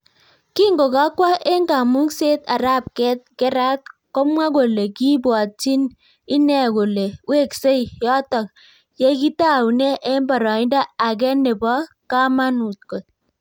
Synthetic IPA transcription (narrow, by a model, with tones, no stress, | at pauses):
ki˦ŋɡo˨ka˦kwa˦ʔe˦ŋɡa˨mu˦kse˦ta˨ɾa˦˨p̚kɛ˦t̚kɛ˦ɾa˦t̚kɔ˦mwa˦ko˨le˨ki˦bwɔ˨ti˦n | ɪ˦nɛ˨ko˨le˨we˦˨kse˦i˨jɔ˦tɔ˨k̚ | jɛ˦ki˦ta˦˨wnɛ˦ʔe˦mbɔ˨ɾɔ˨ɪ˦nda˦a˨k̬ɛ˦ne˨bɔ˦ | ka˦ma˦nu˨t̚ko˨t̚